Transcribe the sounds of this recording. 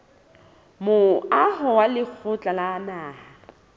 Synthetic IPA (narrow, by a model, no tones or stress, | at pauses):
mʊaɦɔwalɪk͡xʰʊt͡ɬʼalaːnaːha